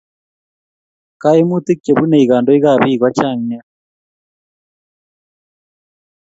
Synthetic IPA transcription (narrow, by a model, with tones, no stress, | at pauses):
ka˦i˦mu˦t̪i˦kːe˨βu˦ne˨i˨ɣaː˨ndo˦i˦ɣa˦˨βiː˦˨ɣwa˦t͡ʃa˦˨ŋɲa˦